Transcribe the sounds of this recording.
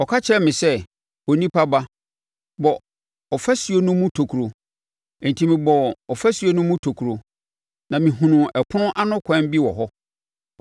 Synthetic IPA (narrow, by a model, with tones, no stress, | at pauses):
ɔ˨kʰa˦t͡ɕʰɪ˦ɾɛ˦mɪ̃˨sɛ˦ | o˨nĩ˦pʰa˦ba˦ | bɔ˨ | ɔ˨fɛ˦sɥo˦nʊ̃˦mũ˦tʰo˨kʰu˨ɾo˨ | n̩˨tʰĩ˦˨mĩ˨bɔ˨ɔ˨fæ˦sɥo˦nʊ̃˦mũ˦tʰo˨kʰu˨ɾo˨ | nã˨mĩ˨ɦũ˨nʊ̃˨ʔɛ˨pʰʊ̃˦ʔa˦nʊ̃˦kʷʰã˦m˦bi˦wɔ̰˨ɦɔ˦